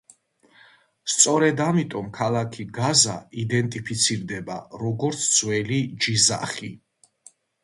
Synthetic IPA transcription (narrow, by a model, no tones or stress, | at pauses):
st̪sʼɔɾɛd̪amit̪ʼɔmkʰalˠakʰiɡazaid̪ɛnt̪ʼipʰit̪sʰiɾd̪ɛbaɾɔɡɔɾt̪sʰz̥wɛlid͡ʒiza̰χi